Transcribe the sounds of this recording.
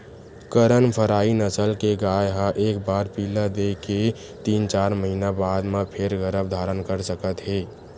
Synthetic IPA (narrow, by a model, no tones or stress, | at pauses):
kəɾənpʰəɾaːinəsəlkeɡaːjɦãʔeːk̚baːɾpiləd̪eke | t̪iːnt͡ʃaːɾməɦiːnabaːd̪mepʰeɾɡəɾəbd̪ʱaːɾənkəɾsəkət̪ɦeː